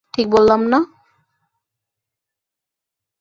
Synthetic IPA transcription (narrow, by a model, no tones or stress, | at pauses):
ʈʰik̚bolːamna